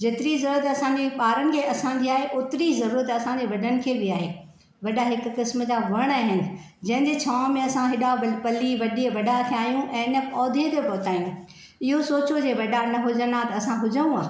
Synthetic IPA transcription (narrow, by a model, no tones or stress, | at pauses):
d͡ʑeːt̪ɪɾizɐɾuːɾət̪ɐsãɲd͡ʑeɓaːɾəñɪ̆kʰeːɐsãɲd͡ʑiaːɦeʔʊt̪ɪɾizɐɾuːɾət̪ɐsãɲd͡ʑeʋɐɖʱənɪ̆kʰeːbɪaːɦeː | ʋɐɗaɦɪkʊ̆kɪsmə̆d͡ʑaʋɐɽ̃aːɦɪnɪ̆ | d͡ʑɐ̃ɦɪ̃ɲd͡ʑet͡ɕʰaːmẽɐsãɦɪɗaʋɐpɐliʋɐɗiəʋɐɖat̪ʰiaːɦjũʔɛ̃ːɪnə̆pɔːd̪ʱiət̪epɐɦʊt̪aːjũ | ɪɦosoːt͡ɕod͡ʑeʋɐɖanɐɦʊd͡ʑənat̪ɐɐsãɦʊd͡ʑənũaː